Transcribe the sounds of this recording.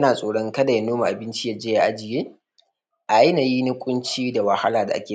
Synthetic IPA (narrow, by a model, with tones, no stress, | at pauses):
naː˨sʼoː˨ɽɔ˦ŋkɐ˦da˨ja˨˦noː˦ma˨ʔa˨bɪ˦nt͡ʃi˦ja˦d͡ʒeː˦ja˦ʔa˦d͡ʒɪ˨jeː˦ | ʔa˨a˦na˨jiː˦nʊ˦kʷʼʊ˦nt͡ʃiː˦da˨wɐ˨ha˦laː˨da̰˨ʔa̰˦kʲeː˨